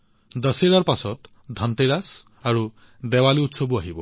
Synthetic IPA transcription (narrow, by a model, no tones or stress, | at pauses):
d̪ʌseɾaɾpasɔt̪ | d̪ʱʌnt̪eɾas | aɾu | d̪ewaliut̪sɔbuaɦibɔ